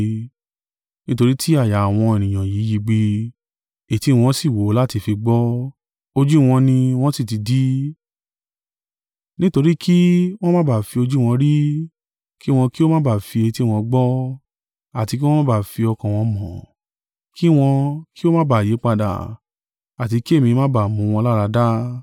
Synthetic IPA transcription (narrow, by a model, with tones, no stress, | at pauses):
nĩ˦to˧ɾi˦tʰi˦a˦˨ja˨w̃ɔ̃˧e˨nĩ˨ã˨ji˨˦ji˧˦ɡ͡bi˧ | e˨ti˧˦˧w̃ɔ̃˧˦si˦˨wo˨˦la˦ti˧fi˧ɡ͡bɔ˦ | o˧d͡ʒu˦w̃ɔ̃˧nĩ˧w̃ɔ̃˦si˦˨ti˧di˦ | nĩ˦to˧ɾi˦kʰi˦w̃ɔ̃˦mã˦ba˦˨fi˧o˧d͡ʒu˦˨w̃ɔ̃˧ɾi˦ | ki˦w̃ɔ̃˧ki˦o˦mã˦ba˦˨fi˧e˧ti˦˨w̃ɔ̃˧ɡ͡bɔ˦ | a˨ti˧k̬i˦w̃ɔ̃˦mã˦ba˦˨fi˧ɔ˧kã˨w̃ɔ̃˧mɔ̃˨ | ki˦w̃ɔ̃˧ki˦o˦mã˦ba˦˨je˨˦k͡pa˧da̰˨ | a˨t̬i˧ki˦e˦˨mĩ˧mã˦ba˨mũ˨˧˦w̃ɔ̃˧la˦ɾa˧da˦